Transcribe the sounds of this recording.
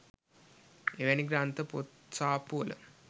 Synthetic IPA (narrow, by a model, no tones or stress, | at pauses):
eʋeniɡɾaːnt̪ɐpot̪ | saːpuɐlɐ̰